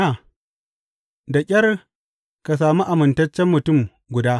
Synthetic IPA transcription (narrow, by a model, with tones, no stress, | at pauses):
a˨ | da˨kʲʼɐ˦r | ka˨s̬aː˨mu˦ʔa˨mɪ˨ntɐ˦t͡ʃːɛ˦mːʊ˨tʊ˦˨m | ɡʷʊ˨daː˦